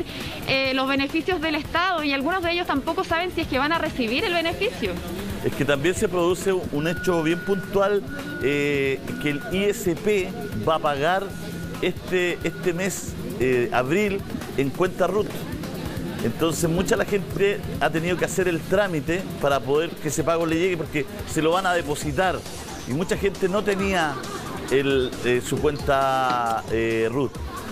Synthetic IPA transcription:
elozβe̞ne̞fisjozðelest̪aðoialɣunozðeeʝost̪ampokosaβe̞nsieskeβanaresiβ̞iɾelβene̞fisjo | ehket̪ambje̞nse̞pɾo̞ðuseunet͡ʃoβje̞mpunt̪wal | ekeːliesepe | bapaɣaɾ | eht̪eʔeht̪emes | ea̰βɾil | eŋkwe̞nt̪arut̪ | ent̪o̞nsemut͡ʃaelaxe̞nt̪eat̪eniðo̞keaseɾelt̪ɾamit̪epaɾapo̞ðeɾkeesepaɣo̞leʝeɣepoɾkeselo̞βanaðepo̞sit̪aɾ | ḭmut͡ʃaxe̞nt̪eno̞t̪e̞nia | elesukwe̞nt̪a | erut̪̚

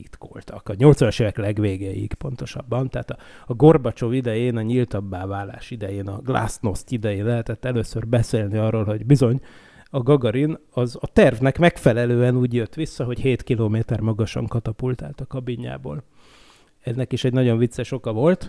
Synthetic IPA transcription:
it̪ko̰lt̪ɒ̰kɒɲo̞lt̪sʋɒnɒʃeːvɛklɛɡʋeːɡɛjḭkpo̞nt̪o̞ʃɒ̰bːɒnt̪aːt̪ɒɒɡo̞rbɒt͡ʃo̞vid̪ɛjeːnɒɲilt̪ɒbːaːvaːla̰ːʃid̪ɛjeːnɒ̰ɡla̰sno̞st̪id̪ɛjeːnlɛɦɛt̪ɛt̪ːɛløːsørbɛseːlniɒrːoːlɦo̞ɟbizo̞ɲ | ɒɡɒɡɒɾinɒzɒt̪ɛrvnɛkmɛkfɛlɛløːɛnuːɟjøt̪ːʋisːɒɦo̞cheːt̪kiloːmeːt̪ɛrmɒɡɒʃɒ̰ŋkɒt̪ɒpult̪a̰ːlt̪ɒkɒbiɲːa̰ːbo̰ːl | ɛnːɛkiʃɛɟnɒɟo̞ɱvit̪sːɛʃo̞kɒvo̞lt̪

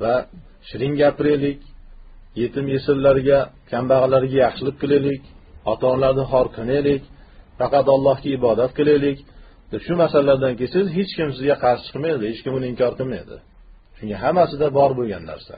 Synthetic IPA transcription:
va | ʃɪɾɪŋɡʲapɪɾelɪkʲ | je̞t̪ʰɪmjesɪɾlaɾɪɡʲakʲʰambaʁɨlaɾɪɡʲajɑχʃɪlɪp̚qʰɨlˠelɪkʲɒt̪ʰɒnlaɾnɪɦɒɾqʰɨnelɪkʲ | fɑqɑt̪ɒlˠːɒhkʲaɪbɒd̪at̪̚qʰɨlˠelɪkʲ | d̪̥ɪʃʊmasalalaɾd̪ankʲejsɪzɦet͡ʃkʲɪmsɪzɡʲaqʰɑɾʃɪ̥t͡ʃʰɨ̥qmajd̪ɪhet͡ʃkʲɪmʊnɪɪmkʲʰɒɾqɨlˠmajd̪ɪ̰ | ʃʊŋʲaɦamasɪd̪abɒɾboɡʲanːa̰ɾsa̰

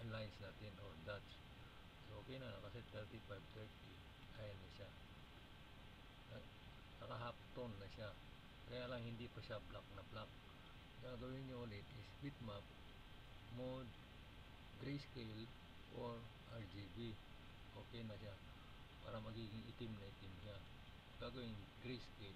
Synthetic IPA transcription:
ʔɐlajnsnaːt̪ɪnʔoɹd̪at͡ʃ | sʔoːkɛjnɐnɐkɐsɛt̪ɛɹt̪ifajvt̪ɛɹt̪i | ʔaːjɐnːɐʃa | ɐ | nɐkɐɦap̚t̪onːɐʃa | kɐjaːlɐŋhɪnd̪ipɐʃablak̚nɐblak̚ | ɡakɐɡɐwɪnɲʊʔʊlɪt̪ɪspit̪map̚ | mod̪ | ɡɾejskejl | ʔoɹʔaɹd͡ʒibi | ʔoːkɛjnɐʃa | pa̰ːɾɐmɐɡiːɡɪŋʔɪt̪ɪmnɐʔɪt̪ɪmʃa | ɡ̥aɡɐwɪnɡɾejske

